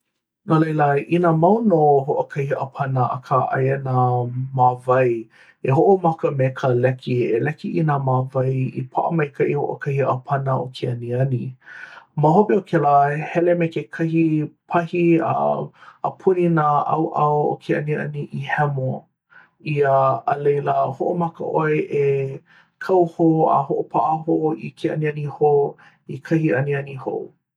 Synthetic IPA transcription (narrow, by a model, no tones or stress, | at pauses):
nolejləinamɐwnoɦoʔəkʰɐhiʔə̰pʰɐnəʔɐ̰kʰaʔɐ̰jenamavɐj | eɦoʔomɐkəmekʰəlɛkʰielɛkiʔinamavɐjḭpʰa̰ʔəmɐjkʰɐʔiho̰ʔo̰kʰɐhiəpʰɐnəʔokʰeɐniɐni | maɦopiokʰɛləhɛlemekekʰɐhipʰɐhiə̰əpʰuninaʔɐ̰wʔɐwo̰kʰeɐ̰niɐ̰niʔihɛmo | iəːlejləhoʔomɐkə̰ʔoeʔe | kʰɐwhoa̰hoʔopʰaʔəɦoikʰeɐ̰niɐniho | ikʰɐhiɐniɐniho̰w